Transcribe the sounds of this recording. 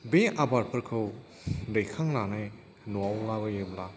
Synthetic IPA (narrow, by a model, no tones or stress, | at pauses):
beabaɾpʰɯɾkʰɯw | dejkʰaŋnanaj | nuawlabajebla